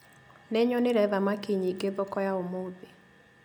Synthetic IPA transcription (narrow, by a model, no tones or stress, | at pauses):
neɲɔneɾɛðamakiɲiːɡeðɔkɔjaomoːðe